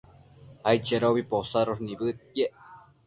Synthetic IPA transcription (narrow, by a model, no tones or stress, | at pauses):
ajt͡ʃeɾoβiposaɾoɾniβɨt̪̚keʔ